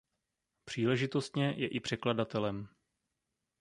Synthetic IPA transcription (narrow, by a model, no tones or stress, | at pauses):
pr̥iːlɛʒɪt̪o̞st̪ɲɛjɛʔɪpr̥ɛkladat̪ɛlɛm